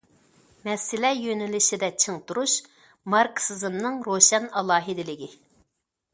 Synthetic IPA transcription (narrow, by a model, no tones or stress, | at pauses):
mɛsːɪlɛjønɪlɪʃid̪ɛt͡ʃʰɨŋt̪uɾuʃ | mɑɾksɨzɨmnɨŋɾoʃɛnɑlˠɑːɦid̪ɪlɪɡʲi